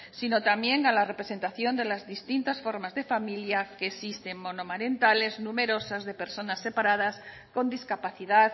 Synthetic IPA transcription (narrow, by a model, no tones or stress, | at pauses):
sino̞t̪amje̞ŋalare̞pɾe̞se̞nt̪aθjo̞nd̪e̞lazðist̪int̪asfo̞ɾmazðe̞familjakeːsist̪e̞ŋmo̞no̞maɾe̞nt̪ale̞znume̞ɾo̞sazðe̞pe̞ɾso̞nasːe̞paɾað̞as | ko̞nd̪iskapaθiðað